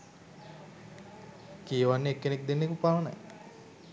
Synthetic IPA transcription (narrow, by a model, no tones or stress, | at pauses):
kijʋanːeekːenek̚d̪enːekupaʋəna̰j